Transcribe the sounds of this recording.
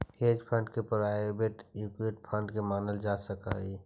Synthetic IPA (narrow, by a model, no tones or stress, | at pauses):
heːd͡ʒpʰə̃ɳɖkepəɾajobeʈukweʈ̚pʰə̃ɳɖkemaːnəld͡ʒasəka̰ɦi